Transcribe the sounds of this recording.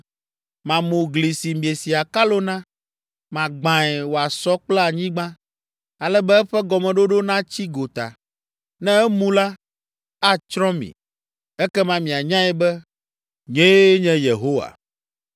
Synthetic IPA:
mã˨mũ˨ɡli˨si˨mĩ˨e˨si˨a˨ka˦lo˦nã˦ | mã˨ɡ͡bã˨ɛ˨wo˨a˨sɔ˦k͡plɛ˦a˨ɲĩ˦ɡ͡bã˦ | a˨lɛ˦bɛ˦ɛ˦ɸɛ˦ɡɔ˨mɛ̃˨ɖo˦ɖo˦nã˦t͡ɕi˦ɡo˨t̪a̰˨ | nɛ̃˦ɛ˦mũ˦la˦ | a˦t͡ʃɾɔ̃˦mḭ̃˨ | ɛ˦kɛ˦mã˦mĩ˨a˨ɲã˦ɛ˨bɛ˦ | ɲẽ˦ɲɛ̃˦je˨ɦo˦wa̰˨

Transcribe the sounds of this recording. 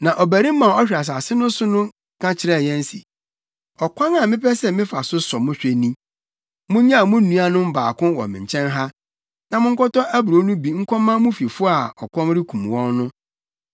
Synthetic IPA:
nã˨ʔɔ˨bæ˨ɾi˦m˦mã˨ɔ˦ɕᶣa˨s̬a˨sɪ˦nʊ̃˦sʊ˦nʊ̃˦ | kʰã˦t͡ɕʰɪ˦ɾɛ˦˨jɛ̃˦n˦si˨ | ɔ˨kʷʰã˦na˨mɪ̃˦pʰɛ˦sɛ˦˨mɪ̃˦fa˨sʊ˦sɔ˨mʊ̃˦ɕᶣe˨nĩ˦ | mʊ̃˦ɲã˦a˨mʊ̃˦nũ˦a˦nʊ̃˦m̩˦ba̰ː˨kʊ̃˦wɔ̰˨mɪ̃˨ɲ̩˨t͡ɕʰɛ̃˦nɦa˦ | nã˨mʊ̃˦ŋ̩˦kɔ˦tɔ̃˦ʔæ˦bɾo˨˦nũ˦bi˨ŋ̩˦kʰʷɔ̃˦mːã˦mʊ̃˦fi˨fʊ˦a˨ɔ˨kʷʰɔ̃˦mɾɪ˦kʰũ˨m˨wɔ̃˦nːʊ̃˦

